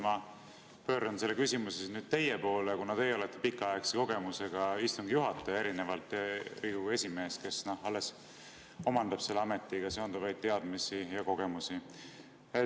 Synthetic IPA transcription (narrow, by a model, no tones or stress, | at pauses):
mɑ | pø̞ːɾɑnse̞lːekysʲimusesnyːd̪̥̚t̪e̞jepo̞ːlekunɑd̪ejolet̪ːepikːˑɑɑekseko̞ɡ̥e̞muse̞ɡ̥ɑist̪uŋɡ̥ijuɦɑt̪ːˑee̞ɾine̞vɑlt̪ːˑɾiːɡue̞sʲime̞ːske̞sno̞hɑlːes | o̞mɑnd̪ɑb̥se̞lːeɑmet̪ːˑiɡ̥ɑse̞ond̪uvɑjd̪̥̚t̪e̞ɑd̪̥misijɑko̞ɡ̥e̞musi | e